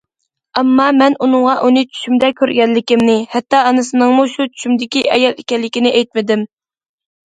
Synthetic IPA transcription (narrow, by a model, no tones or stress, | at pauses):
ɑmːɑmɛnunɨŋʁɑʔunɨt͡ʃʰy̥ʃymd̪ɛkʲʰøɾɡʲɛlːɪkʲimnɪhɛt̪ːɑɑnɨsɨnɨŋmuʃut͡ʃʰy̥ʃymd̪ɪkʲiʔɛjɑlˠekʲɛlːɪkʲinɪʔɛjt̪̚mɪd̪ɪm